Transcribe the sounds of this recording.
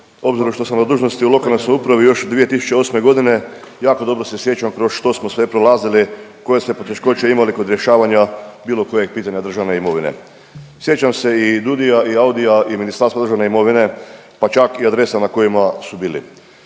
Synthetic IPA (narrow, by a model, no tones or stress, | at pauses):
o̞bziɾoʃt̪o̞samnad̪uːʒno̞st̪iulo̞kalnasnojupɾaʋijo̞ʃd̪ʋije̞t̪isu̥t͡ɕeo̞ːsme̞ɡo̞d̪ine̞ | jaːko̞d̪o̞bɾo̞sesje̞t͡ɕamkɾo̞sʃt̪o̞smosʋe̞pɾolˠaːziliko̞jesmepo̞t̪e̞ʃko̞t͡ʃeimaliko̞d̪ɾjeʃaːʋaɲabiːlˠo̞ko̞jeɡ̚piːt̪aɲad̪ɾr̩ʒaʋne̞imo̞ʋine̞̰ | sje̞t͡ɕamse̞id̪ud̪ijaʔiaud̪ijaʔiminisaɾsad̪ɾʒaʋneimo̞ʋine̞ | pat͡ʃakiad̪ɾe̞sanako̞jimasubiːlḭ